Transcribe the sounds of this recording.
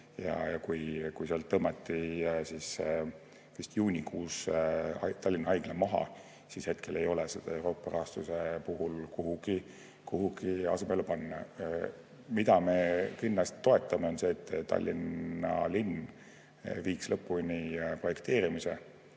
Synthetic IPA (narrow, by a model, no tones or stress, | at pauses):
jɑ̰jɑkujkujseɑlt̪ɤmɑt̪ːˑisis | vist̪juːnʲikʰuːsɑt̪ɑlʲːinɑɑjɡ̥lemɑɦɑ̰ | sishe̞t̪kʰe̞le̞jo̞lesed̪̥ɑ̰e̞wɾo̞ːpːˑɑrɑst̪use̞puɦulkuɦuɡ̥i | kuɦuɡ̥iɑ̰semelupɑnːɑ̰ | mid̪ɑme̞kinːlɑst̪ːo̞e̞t̪ˑːɑmeo̞nse̞ːt̪ːˑɑ̰lʲːinɑlin | viːkslɤpːˑunʲipro̞je̞kt̪e̞ːɾimisḛ